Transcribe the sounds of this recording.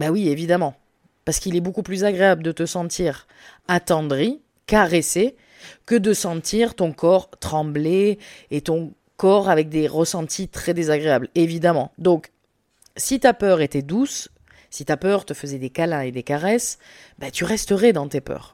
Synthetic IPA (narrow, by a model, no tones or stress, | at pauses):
bɛwievid̪amɑ̃ | paʁsə̥kilɛbokuplyzaɡʁeabləd̪ət̪əsɑ̃t̪ʰiʁ | at̪ɑ̃d̪ʁi | kaʁese | kəd̪əsɑ̃t̪ʰiʁt̪ɔ̃kɔʁt̪χɑ̃bleːt̪ɔ̃ | kɔʁavɛk̚d̪eʁəsɑ̃t̪ʰit̪χɛd̪ezaɡʁeablevid̪amɑ̃d̪ɔ̃k | sit̪apœʁet̪ɛd̪us | sit̪apœʁt̪əfəzɛd̪ekalɛ̃ed̪ekaʁɛs | bɛt̪yʁɛst̪əʁɛd̪ɑ̃t̪epœ̰ːʁ